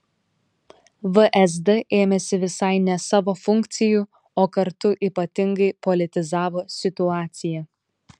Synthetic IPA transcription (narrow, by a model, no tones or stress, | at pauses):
ʋəʔɛzd̪ɛʔeːmʲɛsʲɪʋʲɪsɐɪnʲɛsɑːʋoːfʊŋʲkt̪sʲɪju | oːkɐɾt̪ʊʔiːpɐt̪ʲɪŋɡɐɪpɔlʲɪt̪ʲɪzɑːʋoːsʲɪt̪ʊɑːt̪sʲɪjɛ